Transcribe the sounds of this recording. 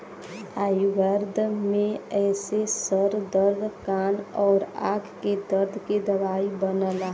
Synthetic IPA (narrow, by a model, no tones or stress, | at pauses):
aːjuɡəɾd̪ʱmẽɛːsesəɾd̪əɾd̪ʱkaːnɔːɾa̰ːɡʰked̪əɾd̪ʱked̪əʋaːibənəlaɦ